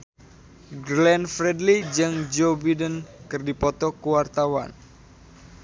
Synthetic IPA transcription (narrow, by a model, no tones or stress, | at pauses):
ɡlɛnfɾɛdlid͡ʒɨŋd͡ʒobidənkɨrdipɔt̪ɔkuwart̪awa̰n